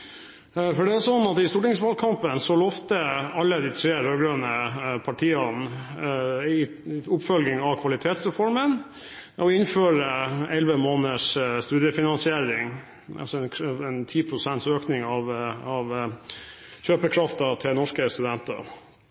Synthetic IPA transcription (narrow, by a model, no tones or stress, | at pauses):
fɔɖɛæsɔnːɑt̪ɪst̪uːʈɪŋsʋɑlkʰɑmpənsɔlɔft̪əɑlːəd̪ɪt̪ʰɾeːɾøːɾɡɾøːnəpʰɑʈʰiːɑn | ɪ | ʊpfœlɡɪŋɑʋkʰʋɑlɪt̪ʰeːt̪sɾɛfɔɾmən | ʔɔɪnføːɾəɛlʋəmoːnəʂst̪ʉːd̪ɪəfɪnɑnsɪeːɾɪŋ | ʔɑ̰lsɔɛɛnt̪ʰiːpʰɾʊsɛnt̪søːknɪŋɑʋɑʋ | ɕøːpəkʰɾɑft̪ɑt̪ʰɪlnɔʂkəst̪ʉd̪ɛnt̪ə̰